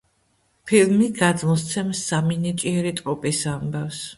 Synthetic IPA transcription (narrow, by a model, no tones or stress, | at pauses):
pʰilmiɡad̪mɔst̪sʰɛmsːaminit͡ʃʼiɛɾit̪ʼɾʼɔpʼisambafs